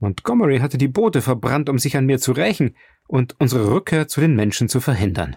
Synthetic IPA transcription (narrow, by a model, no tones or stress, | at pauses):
ʔʊntɡ̥ɔməʁiɦatədiːboːtəfɛɐbʁantʊmzɪçanmiːɐt͡suʁaɪçn̩ | ʔʊntʔʊnzəʁəʁʏkʰːeːɐt͡sudeːnmɛnʃn̩t͡sufɛɐɦɪndɐ̰n